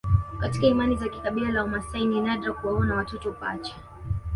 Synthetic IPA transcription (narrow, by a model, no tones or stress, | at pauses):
katikaimanizakikaɓilalaɔmasaininaɗɾakuwaɔnawatɔtɔpat͡ʃḁ